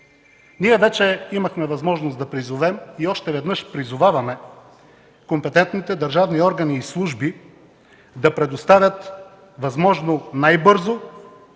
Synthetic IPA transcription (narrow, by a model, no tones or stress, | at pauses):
niɛvɛt͡ʃɛimɐxmɛvɐzmɔʒnosd̪ɐpɾizʊvɛmiɔʃt̪ɛvɛd̪nɤʃpɾizʊvavɐmɛ | kompɛt̪ɛnt̪nit̪ɛd̪ɐɾʒavniɔɾɡɐniːslˠuʒbi | d̪ɐpɾɛd̪ost̪avʲjət̪ | vɐzmɔʒnonajbɤɾzo